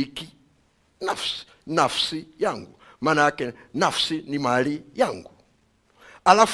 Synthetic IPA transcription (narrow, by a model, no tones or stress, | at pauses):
iki | nafsi̥ | nafsijaŋɡu | manakɛnafsinimalijaŋɡu | alaf